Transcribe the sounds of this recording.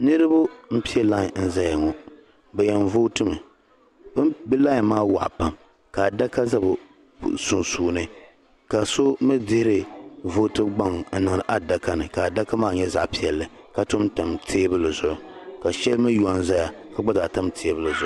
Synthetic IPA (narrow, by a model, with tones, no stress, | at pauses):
nɨ˦ɾɨ˦bʊ˦m̩˦pi˦ɛ˦la˦˨n̩˦za˦ja˨ŋɔ˨ | bɛ˨jɛ˨nvo˦tɨ˦mɨ˨ | bɨ˦mbɨ˦la˦˨maː˦wa̰˨ʔpa˨m | ka˨da˦ka˦za˦bʊ˨ | su˨nsuː˨nɨ˦ | ka˨so˦mɨ˦dɪ˦hɪ˦ɾɨ˨vo˦tɨ˦ɡ͡ba˦ŋ˨n̩˦nɨ˨ŋɨ˨ɾɨ˨ʔa˦da˦ka˦nɨ˨ka˨da˦ka˦maː˦˨ɲɛ˦za̰˨ʔpi˦ɛ˨lːɨ˨ | ka˨tʊ˦mta˨mtʰeː˦bɨ˦lɨ˨zʊ˨ʔʊ˨ka˨ʃɛ˦lmɨ˦ju˨a˦n˦za˦ja˨ | ka˨ɡ͡ba˦za˨ta˦mtʰe˦bɨ˦lɨ˨zʊ˨˦ʔʊ˦